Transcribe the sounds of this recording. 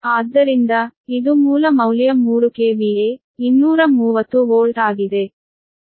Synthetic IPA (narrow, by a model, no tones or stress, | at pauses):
aːd̪ːɐɾind̪ɐid̪umuːlɐmɐwlijɐmuːɾukeːʋije | inːuːɾɐmuːʋɐt̪ːuoːlʈaːɡid̪e̞